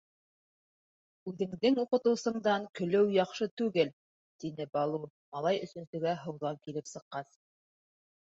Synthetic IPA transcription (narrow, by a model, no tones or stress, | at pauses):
ʉðɘ̆ŋd̪ɘŋuqɤ̆t̪ɤ̆wsɤ̆ɴd̪ɑŋkɵ̆lɘwjɑχʃɤt̪ʉɡɘl | t̪inɘbɑlˠu | mɑlˠɑjɵ̆sɵ̆nsɵ̆ɡæɦŏwðɑŋkilɘpsɤ̆qːɑs